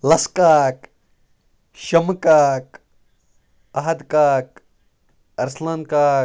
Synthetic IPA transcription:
lɐskaːk | ʃɐmkaːk | ɐɦɐd̪kaːk̚ | ɐɾslɐnkaː

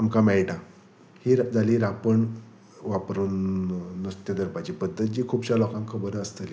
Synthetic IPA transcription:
amkamɛɭʈã | hiːɾd͡zaliːɾapəɳ | ʋapɾuːnːəst̪jəd̪əɾpat͡ɕiːpəd̪ːət̪̚d͡ʑiːkʰuːbɕalɔkãŋkʰːəbəɾəst̪əli

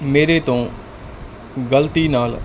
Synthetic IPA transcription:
meːɾet̪õː | ɡəlt̪inaːl

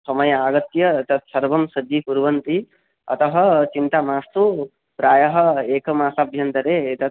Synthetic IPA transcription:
sɐmɐjɐaːɡɐt̪jɐt̪ɐt̪sɐɾbɐmsɐd͡ʒipuɾʋɐnt̪i | ɐ̰t̪ɐɦɐt͡ʃint̪amaːst̪u | pɾaːjɐɦɐeːkɐmaːsabʱjɐnt̪ɐɾeːet̪ɐ

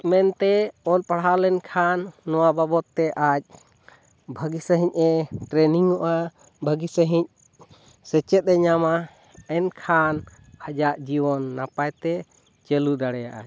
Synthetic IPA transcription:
mɛnt̪ɛɔlpaɽɦalɛnkʰanːɔwababɔt̪ːɛʔac̚ | bʱəɡisəɦiɲ̚ɛʈɾɛniŋɔʔa | bʱəɡisəɦiɲ̚ | sɛt͡ʃɛt̪̚ˀɛɲama | ɛnkʰan | had͡ʒaʔd͡ʒiwɔnːapajt̪ɛ | t͡ʃɛlud̪aɽɛjaʔa̰

